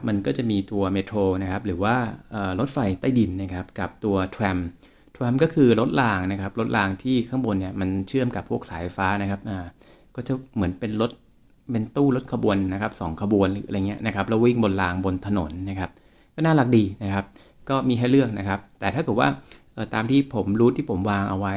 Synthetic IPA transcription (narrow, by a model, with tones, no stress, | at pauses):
p̚ma˧nkɔː˥˩t͡ɕa˨˩miː˧t̪u˧ɐmeː˦˥t̪ʰɾoː˧na˦˥kʰa˦˥p̚ɾɯː˩˦waː˥˩ʔəː˨˩lo˦˥t̪̚fa˧jt̪a˥˩jdi˧nːa˦˥˩kʰa˦˥p̚ka˨˩p̚t̪u˧ɐt̪ʰwɛ˧m | t̪ʰwɛ˧mkɔː˥˩kʰɯː˧ɾo˦˥t̪̚laː˧ŋna˦˥kʰa˦˥p̚lo˦˥t̪̚laː˧ŋt̪ʰiː˥˩kʰa˥˩˨ŋbu˧nːi˥˩ma˧nt͡ɕʰɯ˥˩əmka˨˩pʰːu˥˩ək̚saː˩˦jfa˧faː˦˥na˦˥kʰa˦˥p̚ʔaː˧˩ | kɔː˥˩t͡ɕa˨˩mɯ˩˦ənpe˧nlo˦˥t̪̚ | pe˧nt̪uː˥˩lo˦˥t̪̚kʰa˧bu˧ənːa˦˥kʰa˦˥p̚sɔː˩˦ŋkʰa˧bu˧ənɾɯː˩˦ʔjŋi˦˥ɐʔna˦˥kʰa˦˥p̚lɛː˦˥wi˦˥˩ŋbo˧nlaː˧ŋbo˧nt̪ʰa˧no̰˩˦nːa˦˥kʰa˦˥p̚ | kɔː˥˩naː˥˩la˨˩k̚diː˧na˦˥kʰa˦˥p̚ | kɔː˥˩miː˧ɦa˥˩jlɯ˥˩ək̚na˦˥kʰa˦˥p̚t̪ɛː˨˩t̪ʰaː˥˩kɤ˨˩t̪̚wa̰ː˥˩ʔɤː˨˩t̪aː˧mt̪ʰiː˥˩pʰo˩˦mɾuː˦˥t̪ʰiː˥˩pʰo˩˦mwaː˧ŋʔa˧wa˦˥j